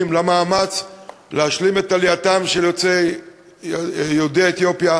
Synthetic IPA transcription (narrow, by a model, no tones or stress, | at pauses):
mlamaːmat͡s | leaʃlime̞t̪aliat̪amʃejot͡se | jodeet̪jo̞pja